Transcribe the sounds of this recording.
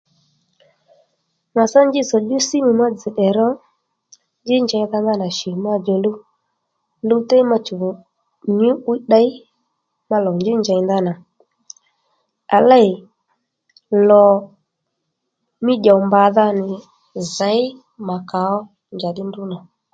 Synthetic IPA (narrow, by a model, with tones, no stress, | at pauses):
ma˨sa˦ɲd͡ʒɪ˦zɔ˨ɗu˦si˦mu˨ma˦d͡zi˨ɗɛ˨ɾɔ˦ | nd͡ʒɪ˦nd͡ʒa˨i˦ða˧nða˦na˨ʃi˨ma˧d͡ʒɛ˨lu˦ | lu˦tɛ˦i˦ma˧t͡ʃu˨ | ɲu˦u˦i˦ɗa˦i˦ | ma˧lɔ˨nd͡ʒi˦nd͡ʒa˨i˦nða˦na˨ | a˨la˦i˨ | lɔ˨ | mi˦ʄa˨wmba˨ða˧nɪ˨ | za˨˦i˦ | ma˨ka˨ɔ˦ | nd͡ʒa˨ɗɪ˦ndu˦na˨